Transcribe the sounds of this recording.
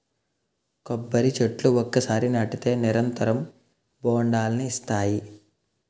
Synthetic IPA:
kobːɐɾit͡ʃeʈluɔkːɐsaːɾinɐʈit̪e̞ːniɾɐnt̪ɐɾɐm | boːɳɖaːlɐniːst̪aːji

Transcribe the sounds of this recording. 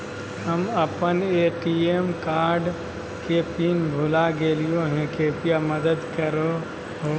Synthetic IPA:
ɦəməpənekiemkaːɾɖ | kepinbʱulaɡeːlijõɦɛ̃keːpijaməd̪əd̪kəɾo | ɦo

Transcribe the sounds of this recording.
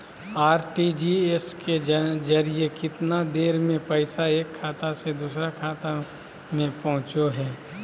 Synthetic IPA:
aːɾʈid͡ʒieskezɐɾiekɪt̪nad̪eːɾmẽpɐɪsaeːkʰːaːt̪ased̪uːsɾakʰaːt̪a | mẽpɐɦʊ̃t͡ʃoɦɛː

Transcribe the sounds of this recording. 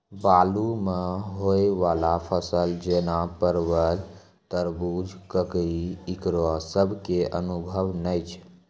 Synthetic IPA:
balumeɦoeʋalapʰəsəld͡ʒenapəɾwəl | t̪əɾbud͡ʒkəkiiikɾosəbʱkeʔə̰nubʱəwnəjt͡ʃʰ

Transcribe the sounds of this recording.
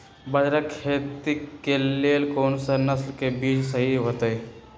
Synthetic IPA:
bəd͡ʒɾakʰeːt̪ikːeleːlkoːnsənɐslkebiːt͡ʃsəɦiɦoːt̪əe

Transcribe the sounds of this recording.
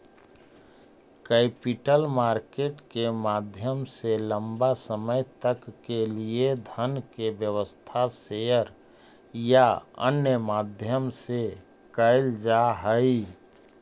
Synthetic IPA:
kɛpiʈəlmaːɾkeːʈkemad̪ʱjəmseləmbasəməjt̪əkːelied̪ʱənkebjəʋəst̪ʰasejəɾ | jaə̰njəmaːd̪ʱjəmse | kəɪld͡ʒaɦəi

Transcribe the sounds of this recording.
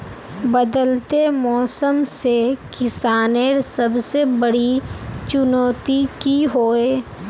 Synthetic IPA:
bəd̪əlt̪emɔːsəmsekɪsaːneɾsəbsebəɽit͡ʃʊnɔːt̪ikiɦoːeː

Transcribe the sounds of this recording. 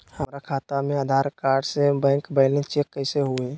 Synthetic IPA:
həmɾakʰaːt̪amẽaːd̪ʱaːɾkaːɾɖsebɛ̃ːŋkbaɪlẽt͡ʃeːkːəɪseɦueː

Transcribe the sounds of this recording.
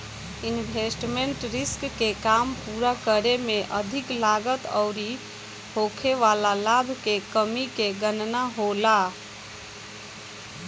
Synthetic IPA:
inbʱesʈmeɳʈɾiskːekampuɾakəɾemeʔəd̪ʱiklaɡət̪əʊɾi | hokʰeʋalalabʱkekəmikeɡənnaɦola

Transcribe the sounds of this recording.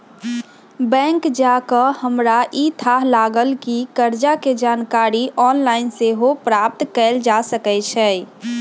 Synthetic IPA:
bɛ̃ŋkd͡ʒakəhəmɾaʔit̪ʰaɦlaɡəlkikəɾd͡ʒaked͡ʒankaɾiʔɔnlaɪnseɦopɾap̚t̪kɛɪld͡ʒasəkɛt͡ʃʰɛ

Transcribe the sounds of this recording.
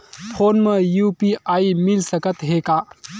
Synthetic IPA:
pʰoːnmejuːpiʔaːimɪlsəkət̪ɦeːkaː

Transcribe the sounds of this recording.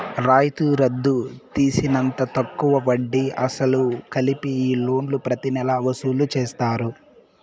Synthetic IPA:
ɾaːjt̪uɾɐd̪ːut̪iːsinɐnt̪ɐt̪ɐkːuʋɐʋɐɖːiɐsɐlukɐlipiiːlo̞ːnlupɾɐt̪inɛlɐʋɐsuːlut͡ʃeːst̪aːɾu

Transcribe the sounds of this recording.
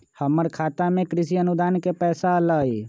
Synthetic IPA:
həməɾkʰaːt̪amẽkɾɪsiənud̪aːnkepɛːsaləi

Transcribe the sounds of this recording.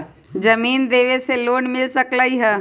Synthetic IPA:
d͡ʒɐmiːnd̪eːʋeseloːɳmɪlsəklaːiɦɛː

